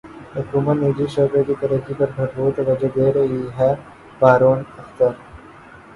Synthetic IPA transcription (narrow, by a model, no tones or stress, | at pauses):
ɦʊkuːmənnid͡ʒiʃəːkekit̪ɐɾəkːipɐɾɡʱɐʈbuːt̪ʋɐd͡ʒed̪eɾɐɦiɦɛː | paːɾoːnɐxt̪əɾ